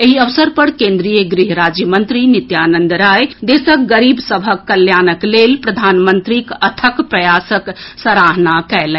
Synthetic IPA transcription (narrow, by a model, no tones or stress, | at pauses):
eɦiəʋsəɾpəɾkẽnd̪ɾijeɡɾiɦɾad͡ʒjəmənt̪ɾinit̪janənd̪ɾajd̪esək̚ɡəɾibsəbʱəkːəljanəklelpɾəd̪ʱanmənt̪ɾikət̪ʰəkpɾəjasəksəɾaɦnakɛlɛ̃